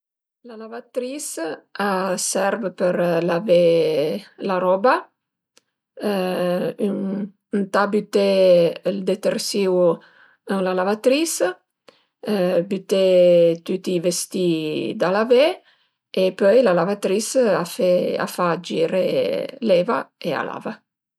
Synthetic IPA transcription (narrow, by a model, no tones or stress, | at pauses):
lalavat̪ɾisasɛɾvəpəɾlave | laɾɔba | yŋ | nt̪abyt̪eld̪et̪ersiw | əŋlalavat̪ɾis | byt̪et̪yt̪ivest̪id̪alave | epœjlalavat̪ɾisafea̰fad͡ʒiɾelɛvaea̰la̰va